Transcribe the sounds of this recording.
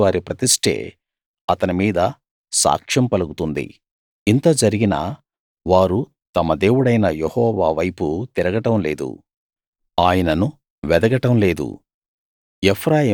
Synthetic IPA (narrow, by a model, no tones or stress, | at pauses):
ʋaːɾipɾɐt̪iʂʈʰe̞̰ː | ɐt̪ɐnimiːd̪ɐ | sa̰ːkʂɐmpɐluɡut̪und̪ḭ | int̪oːd͡ʒɐɾiɡinɐ̰ | ʋaːɾu | t̪ɐmɐd̪e̞ːwuɽɐjnɐjehɔːʋaːʋɐjput̪iɾɐɡɐʈɐmleːd̪ṵ | aːjɐnɐnu | ʋɛd̪ɐɡɐʈɐmle̞ːd̪ṵ | epʰɾaːjɐ